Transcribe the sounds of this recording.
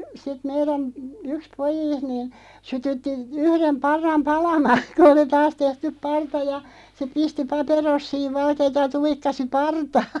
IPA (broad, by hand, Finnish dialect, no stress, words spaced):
sit meiræn yks pojiːst niːn sytytːi yhrem pɑrːɑm pɑlɑmɑːn̞ ku oli tɑːs tehtyp̆ pɑrtɑ jɑ se pisti pɑperosːiːʋ ʋɑlkeːtɑ jɑ tuikːɑsi pɑrtɑːn̥